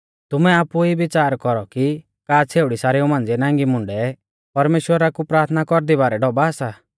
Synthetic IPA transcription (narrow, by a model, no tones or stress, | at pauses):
t̪ʊmɛaːpuibɪt͡saːɾkɔɾɔki | kaːt͡sʰeːʊɽisaːɾiumãːnd͡zɛnãːŋɡimʊ̃ɳɖɛ | pɐɾmeːʃwəɾakupɾaːɾt̪ʰnakɔɾd̪ibaːɾɛɖɔbaːsa